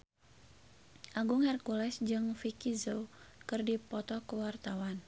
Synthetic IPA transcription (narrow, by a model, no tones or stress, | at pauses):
ʔaɡʊŋhɛrkulɛsd͡ʒɨŋfikizokɨrdipɔt̪ɔkəwart̪awan